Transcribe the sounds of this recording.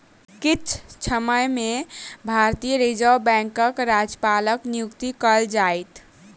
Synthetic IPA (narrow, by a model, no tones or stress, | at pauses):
kit͡ʃʰt͡ʃʰəməjmebʱaɾt̪ijəɾed͡ʒəwbɛ̃ŋkəkɾad͡ʒpaləknijukt̪ikəld͡ʒajt̪